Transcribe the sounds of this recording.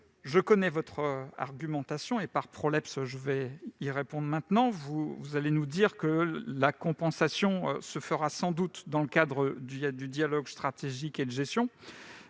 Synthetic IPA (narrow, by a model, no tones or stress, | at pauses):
ʒəkɔnɛvɔt̪χəa̰ʁɡʲymɑ̃t̪asjɔ̃epaʁpχɔlɛpsʒəvɛiʁepɔ̃d̪ʁmɛ̃t̪nɑ̃vuvuzalenud̪iʁkəlakɔ̃pɑ̃sasjɔ̃ø̰səfəʁasɑ̃d̪ut̪d̪ɑ̃ləkad̪ʁəd̪yd̪yd̪jalɔɡst̪χat̪eʒiked̪əʒɛsjɔ̃